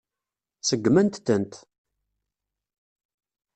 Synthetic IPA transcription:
səɡːmænt̪θənt̪

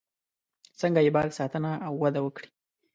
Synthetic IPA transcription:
səŋɡaɪbɑɡ̪sɑt̪ənaawːad̪awəkɽi̥

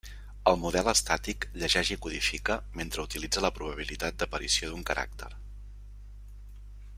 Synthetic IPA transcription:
əlˠmuð̞ɛlˠəst̪at̪ikʎəʒɛʒikuðifikəment̪ɾəut̪ilid͡zələpɾuβ̞əβ̞ilit̪at̪̚d̪əpəɾḭsioðuŋkəɾʔa̰k̚t̪ə̰ɾ

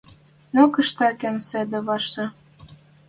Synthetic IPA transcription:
nokə̆ʃt̪ɑkænsæd̪ɘ̆βɑʃɤ̆

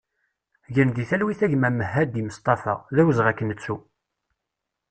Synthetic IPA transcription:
ʝənd̪iθælwiθæʝmæməhːæd̪iməst̪ˤɑθɑ̰ðæwəzʁækːənːət͡sːu

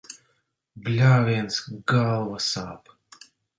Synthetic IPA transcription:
blʲaːvʲiɛnsɡalˠvasa̰ːp

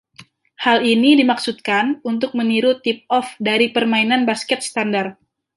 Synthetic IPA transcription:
halinidimaksut̪̚kanunt̪ʊk̚məniɾut̪ip̚ɔfdaɾipərmainanbaskɛt̪̚st̪andar

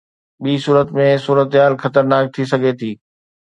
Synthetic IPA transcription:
ɓiːsuːɾət̪mẽsuːɾət̪ɦaːlxɐt̪əɾnaːk̚t̪ʰisɐɡʱet̪ʰiː

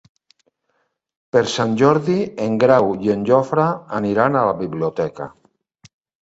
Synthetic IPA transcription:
peɾsanʲʒɔɾðieŋɡɾawjenʲd͡ʒɔfɾaːniɾanalaβiβliot̪ɛka̰

